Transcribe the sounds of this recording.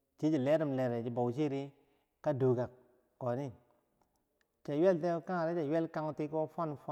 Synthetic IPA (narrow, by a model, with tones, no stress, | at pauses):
t͡ʃi˦d͡ʒi˨le˦ɾi˦˨mle˨ɾe˨d͡ʒi˨bo˨wt͡ʃi˦ɾi˦ | ka˦du˨ɡa˨k | kːo˨ni˦ | t͡ʃa˨we˦˨lte˦ka˦ŋa˨ɾe˦t͡ʃa˨jwe˦lka˦ŋu˦ti˦ko˦fa˦n˨fa˦